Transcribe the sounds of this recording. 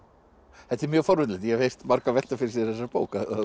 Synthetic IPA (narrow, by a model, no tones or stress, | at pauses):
θɛt̪ːɛɾmjœːɣfɔɾvʏnlɛt̪jɛvhejst̪maɾkavɛ̥t̪afɪɾɪɾs̬jɛɾ̥θɛsːapoːwkaa